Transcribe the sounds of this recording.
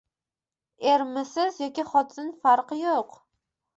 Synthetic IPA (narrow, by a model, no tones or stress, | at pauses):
eɾmɪsɪzjɒkʲiχɒt̪ʰɪnfaɾqɨjoq